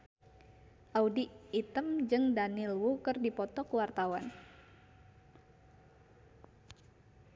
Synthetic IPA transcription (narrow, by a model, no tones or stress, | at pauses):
ʔaudiːt̪əmd͡ʒɨŋdanilwukɨrdipɔt̪ɔkwart̪awan